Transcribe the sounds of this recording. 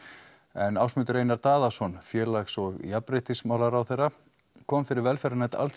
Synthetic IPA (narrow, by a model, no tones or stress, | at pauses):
ɛnawsmʏnt̪ʏɾeːjnaɾt̪aːðasɔnfjɛːlaxsɔɣjapɾejht̪ɪsmaːwlaɾawθejrːa | kʰɔːmfɪɾɪɾvɛlfɛɾanɛt̪a̰lt̪